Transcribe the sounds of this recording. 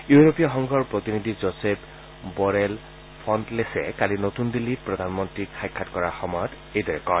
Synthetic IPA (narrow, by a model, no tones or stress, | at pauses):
juɹopijɔxɔŋɡʱɔɹpɹotinid̪ʱizɔsep | bɔɹɛl | pʰɔntlesɛ̰kalinotundilːit̚pɹɔd̪ʱanmɔntɹikʰajkʰːatkɔɹaxɔmɔjɔt | ejdɔɹɛkɔ